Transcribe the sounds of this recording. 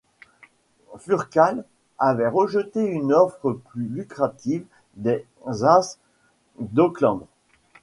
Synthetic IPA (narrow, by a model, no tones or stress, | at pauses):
fyʁkal | avɛʁəʒət̪eynɔfχəplylykχat̪iv | d̪ɛ | zas | d̪ɔklɑ̃d̪